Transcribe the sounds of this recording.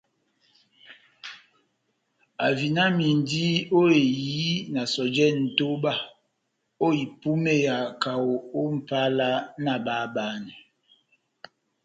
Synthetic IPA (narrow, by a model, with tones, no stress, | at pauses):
a˨vi˨na˦mi˨n˨di˦o˦e˨ji˦na˨sɔ˨d͡ʒɛ˦n̩˨to˦ba˦ | o˦i˨pu˦me˦˨ja˨ka˨o˨o˦m̩˨pa˦la˦na˨ba˦ba˦ni˨